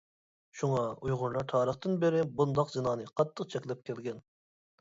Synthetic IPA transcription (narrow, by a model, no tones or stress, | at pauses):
ʃuŋɑujʁʊɾlˠɑɾt̪ʰɑːɾəχt̪ɨnbɪɾɪbund̪ɑqzɨnɑːnɨqʰɑt̪ʰːəqt͡ʃʰɛkʲlɪp̚kʲʰɛlɡʲɛn